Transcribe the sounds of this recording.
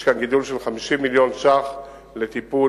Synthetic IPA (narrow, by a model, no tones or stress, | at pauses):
ʃkanɡid̪ulʃelχamiʃimːiljo̞nʃaχ | let̪ipu